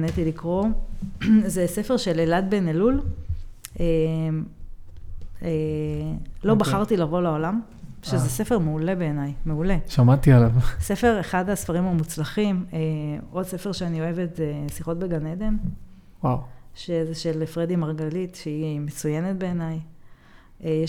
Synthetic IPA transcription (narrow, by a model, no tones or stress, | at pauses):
net̪ilikʁo̞ | zesefe̞ʁʃe̞lelad̪benelul | em | e | lo̞baχaʁt̪ilaʁvo̞lao̞lam | ʃezesefe̞ʁmeule̞be̞ːnajmeuleʃamat̪ialavsefe̞ʁeχad̪asfaʁimamut͡slaχimeo̞dsefe̞ʁʃeanio̞e̞vet̪zesiχo̞t̚be̞ɡaned̪e̞n | wawʃezeʃelefʁed̪imaʁɡalitʃeimet͡sujenet̚be̞ːnaj | eje